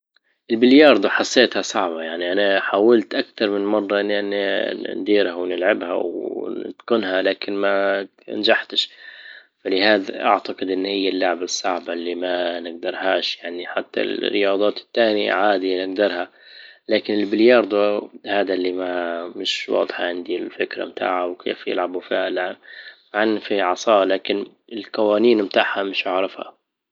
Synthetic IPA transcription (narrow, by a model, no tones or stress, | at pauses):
ʔɪlbɪljɑɾˤd̪ˤuħɑsˤːeːt̪hasˤɑʕbɑjaʕniʔanaħaːwalt̪ʔakt̪ɑɾˤmɪnmɑrˤːɑʔɪnʔanːnd̪iːɾhawnɪlʕabha̰wɪ̰t̪kʊnhalaːkɪnma̰ | nd͡ʒaħt̪ɪʃ | falɪhaːd̪aʔa̰ʕt̪aqɪd̪ʔɪnːhɪjːalːaʕbasˤːɑʕbɑlːimanɪɡ̚d̪ɑɾˤhaːʃjaʕniħat̪ːa̰lrɪjɑːd̪ˤɑːt̪ɪ̥t̪ːaːnḭʕaːd̪inɪɡ̚d̪ɑɾˤha | laːkɪnɪlbɪljɑɾˤd̪ˤhaːd̪alːimamɪʃwɑ̰ːd̪ˤħɑʕɪnd̪ilfɪkɾa̰mt̪ʰa̰ːʕawkʰḛːfjɪ̰lʕabufiːhalaʕbmaʕanːfiʕɑsˤɑːlaːkɪn | ɪlqɑwaːniːnmt̪aːħhamɪʃʔaʕɾˤɪfha̰